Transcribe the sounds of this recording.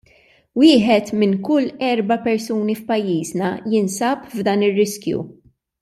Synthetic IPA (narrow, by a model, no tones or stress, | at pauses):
wɪːħɛt̪mɪnkʊlːɛɾbɐpɛɾsuːnifpɐjːiːznɐjɪnsɐpvd̪ɐːnɪrːɪskjṵ